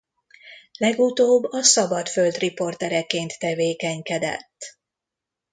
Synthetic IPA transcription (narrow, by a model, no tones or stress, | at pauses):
lɛɡut̪oːbːɒsɒbɒt̪følt̪ripo̞rt̪ɛɾɛkeːnt̪ːɛveːkɛɲkɛd̪ɛ̰t̪ː